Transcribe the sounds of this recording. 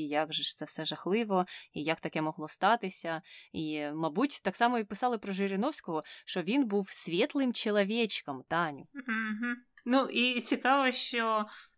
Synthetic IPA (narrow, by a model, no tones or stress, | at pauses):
jaɡʒɛʂt̪sɛfsɛʒɐxlˠɪʋɔijɐkt̪ɐkɛmɔɦlˠɔst̪ɑt̪ɪsʲɐimɐbutʲt̪ɑksɑmɔipɪsɑlˠɪpɾɔʒɪɾʲɪnɔwsʲkɔɦɔʃt͡ʃɔʋʲinbuwsʲʋʲɛt̪lˠɪmt͡ʃelˠɐʋʲɛt͡ʃkɐmt̪ɑnʲʊɦ̩nuʔit͡sʲikɑʋɔʃt͡ʃɔ